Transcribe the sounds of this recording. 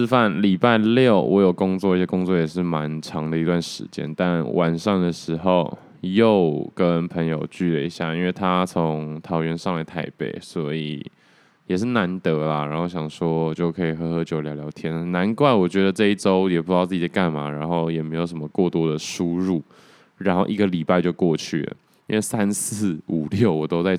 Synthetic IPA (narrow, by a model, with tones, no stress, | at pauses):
s̩˥˧fa˥˩nli˨˩pa˥˧ɪljo˥˨˩ʊwʔɔ˧˥jo˨˩ʊkʊ˥ŋt͡swɔ˥˧ə˥˩ɕɛ˥kʊ˥ŋt͡swɔ˥˩jɛ˨˩ʂ̬ɻ̩˥˩ma˧˦nʈ͡ʂʰɑ˧˥ŋd̪ə˨i˧˥t̪wa˥˩nʂɻ̩̰˧˥t͡ɕjɛ̰˥nt̪a˥˧nwʔa˨˩nʂɑ˥˩ŋd̪ə˩ʂɻ̩˧˥xo˥˨˩ʊ | jo˥˨˩ʊkə˦˥npʰə˧˥ŋjo˨˩ʊt͡ɕy˥˩lə˨i˧˥ɕja̰˥˨i˥nwe˥˩t̪ʰa˦t͡sʰo˧˦ŋt̪ʰɑ˧˥ʊɥɛ˧˥nʂɑ˥˨ŋla˧˥ɪt̪ʰa˧˥ɪpe˥˩ɪswɔ˧˥i˨˩ | jɛ˨˩ʂ̬ɻ̩˥˩na˧˦nt̪ə˧˥lə˨ɻa˧˥nxo˥˩ʊɕjɑ˨˩ŋʂwɔ˥wɔ˨˩t͡ɕjo˥˩ʊkʰɤ˧˥i˨˩xɤ˧˥xɤ˧˥t͡ɕjo˧˩ʊljɑ˧˥jɑ˧˥ʊt̪ʰjɛ˥nna˧˥nkwa˥˩nwɔ˨˩t͡ɕɥɛ˧˥d̪ə˨ʈ͡ʂɤ˥˧i˥˩ʈ͡ʂo˥ʊjɛ˨˩pu˧˩jɑ˥˧t͡sɨ˥˩t͡ɕi˨˩˦ka˥˩nma̰˩ɻa˧˥nxo˥˩ʊjɛ˨˩me˧˥ɪjo˨˩ʊʂə˧˦mə˧kwɔ˥˩t̪wɔ˥d̪ə˨ʂu˦˥ɻu˥˩ | ɻa˧˥nxo˥˧ʊʔi˧˥ɡə˨li˨˩pa˥˧ɪt͡ɕjo˥˧ʊkwɔ˥˧t͡ɕʰy̰˥˩lə̰˩ | i˥nwe˥˩ɪsa˦˥nsɹ̩˥˩u˨˩ljo˥˩ʊwɔ˨˩t̪o˥ʊt͡sa˥˧ɪ